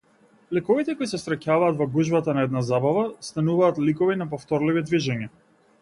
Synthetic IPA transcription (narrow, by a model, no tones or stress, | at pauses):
lɛkɔvit̪ɛkɔisɛsɾɛcavaːt̪vɔɡuʒbat̪anaɛd̪nazabavast̪anuvaːt̪likɔvinap̬ɔft̪ɔɾlivid̪viʒɛɲa